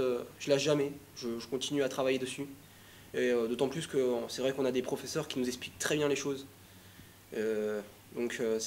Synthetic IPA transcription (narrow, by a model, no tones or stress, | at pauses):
øʒ̥əlaʒamɛʒəʒəkɔ̃t̪inyat̪χavajed̪əsy | eød̪ot̪ɑ̃plyskəɔ̃sɛvʁɛkɔ̃nad̪epχɔfesœʁkʲinuzɛksplik̚t̪χɛbjɛ̃leʃoz | d̪ɔ̃kʰøs